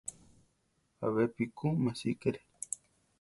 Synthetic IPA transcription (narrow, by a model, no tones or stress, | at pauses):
a̰βepikumasikeɾe